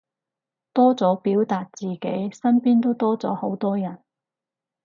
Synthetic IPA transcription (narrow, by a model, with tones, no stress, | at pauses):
t̪ɔː˥t͡sɔː˨˥piː˨˥wt̪aː˧t̚t͡siː˨ke˨˥jsɐ˥npiː˥nt̪o˥wt̪ɔː˥t͡sɔː˨˥ho˨˥wt̪ɔː˥jɐ˨˩n